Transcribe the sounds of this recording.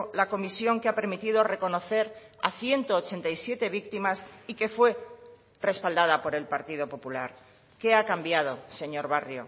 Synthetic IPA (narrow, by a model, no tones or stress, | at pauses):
lako̞misjo̞ŋkeape̞ɾmit̪ið̞o̞re̞ko̞no̞θe̞ɾa̰θje̞nt̪oːt͡ʃe̞nt̪ajsje̞t̪e̞β̞ikt̪imasike̞fwe̞ | re̞spald̪að̞apo̞ɾe̞lpaɾt̪iðo̞po̞pulaɾ | ke̞akambjað̞o̞se̞ɲo̞ɾβarjo̞̰